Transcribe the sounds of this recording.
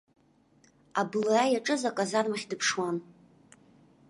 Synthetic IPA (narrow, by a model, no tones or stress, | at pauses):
ablaajaʈ͡ʂʼɨzakʼazarmaχʲdɨpʰʂwan